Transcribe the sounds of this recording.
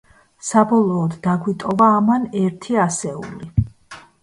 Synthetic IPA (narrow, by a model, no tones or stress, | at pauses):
sabɔlˠɔːd̪ːaɡwit̪ʼɔvaːmanɛɾt̪ʰiasɛṵli